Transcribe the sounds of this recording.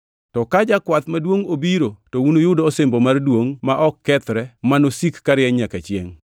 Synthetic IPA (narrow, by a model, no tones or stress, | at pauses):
tɔkad͡ʒakwat̪madwoŋobiɾotowunojʊdoːsembomardwoŋmaʔɔkːɛt̪ɾɛmanosikːaɾɪɛɲakat͡ʃjḛŋ